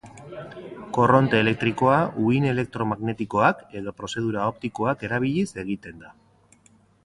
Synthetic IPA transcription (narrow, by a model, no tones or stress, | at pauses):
ko̞ro̞nt̪e̞ːle̞k̚t̪ɾiko̞aʔuine̞le̞k̚t̪ɾo̞maɣne̞t̪iko̞ake̞ðopɾo̞se̞ð̞uɾao̞p̚t̪iko̞ake̞ɾaβ̞iʎise̞ɣit̪e̞nd̪a